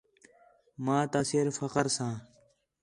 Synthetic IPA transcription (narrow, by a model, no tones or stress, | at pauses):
mãːt̪asiɾfəqəɾsãː